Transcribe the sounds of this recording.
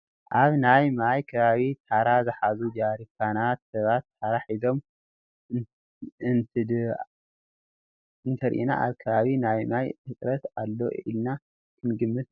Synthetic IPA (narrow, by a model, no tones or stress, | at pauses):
ʔaβnajmajkʰɐβaβit̪ʰaɾazɨħazud͡ʒaɾikʰanat̪sɐβat̪ːaɾaħizo̞m | ɨnt̪ʰɨd̪ | ɨnt̪ʰɐɾʔḭna̰ʔa̰βkʰɐβaβinajmajʕɨt͡s̪ʼɾɐt̪alːo̞̰ḭlna | kʰɨnɡɨmːɨt̪